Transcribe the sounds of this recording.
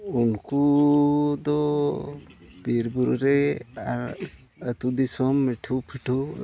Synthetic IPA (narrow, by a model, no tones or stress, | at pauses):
unku | d̪ɔ | biɾbuɾɾɛa | ət̪ud̪isɔmːiʈʰupʰiʈʰu